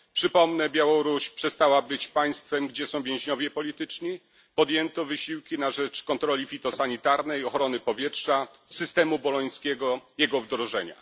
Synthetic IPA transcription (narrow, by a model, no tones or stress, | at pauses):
pʂɘpɔmnɛbʲjawɔɾuɕpʂɛst̪awabɘt͡ɕpaj̃st̪fɛmɡd͡ʑɛsɔ̃w̃vʲjɛ̃w̃ʑɲɔvʲjɛpɔlʲit̪ɘt͡ʂɲi | pɔd̪jɛnt̪ɔvɘɕiwkʲinaʐɛt͡ʂkɔnt̪ɾɔlʲifʲit̪ɔsaɲit̪aɾnɛjɔxɾɔnɘpɔvʲjɛtʂasɘst̪ɛmubɔlɔj̃skʲɛɡɔjɛɡɔvd̪ɾɔʐɛɲa̰